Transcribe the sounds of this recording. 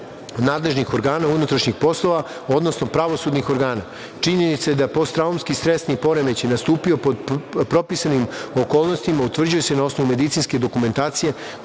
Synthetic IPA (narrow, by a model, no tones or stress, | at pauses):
naːd̪le̞ʒnixo̞ɾɡaːnaunut̪ɾaʃɲixpo̞slˠo̞ʋao̞d̪no̞snopɾaʋo̞suːd̪nixo̞ɾɡaːna | t͡ʃiɲe̞nit̪saed̪apo̞st̪ɾaumskist̪ɾe̞st̪nipo̞ɾemet͡ɕenast̪uːpio̞popɾo̞pisanimo̞koːlˠno̞st̪imaut̪ʋr̩d͡ʑuje̞se̞nao̞snoʋume̞d̪it̪sinske̞d̪o̞kume̞nt̪aːt̪sije̞